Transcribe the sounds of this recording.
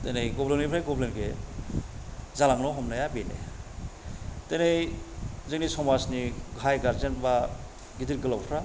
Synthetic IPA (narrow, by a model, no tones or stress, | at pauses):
tenejɡɔbleŋnipʰɾajɡɔblenɡe | zalaŋnɔɦɔmnajabinḛ | tenejzeŋnisɔmasniɡʱajɡaɾzenba | ɡidiɾɡɯlawpʰɾa